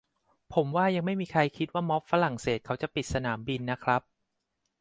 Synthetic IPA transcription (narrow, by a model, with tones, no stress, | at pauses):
pʰo˩˦mwaː˥˩ja˧ŋma˥˩jmiː˧kʰa˧jkʰi˦˥t̪̚waː˥˩mɔ˦˥p̚fa˦˥ɾa˨˩ŋseː˨˩t̪̚kʰa˦˥wt͡ɕa˨˩pi˨˩t̪̚sa˧naː˩˦mbi˧nːa˦˥kʰɾa˦˥p̚